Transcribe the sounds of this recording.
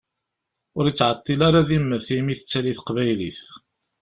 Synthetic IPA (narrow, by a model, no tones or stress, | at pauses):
ʊɾit͡sːʕət̪ˤːilaɾaðimːəθimiθət͡sːæliθqvæjliθ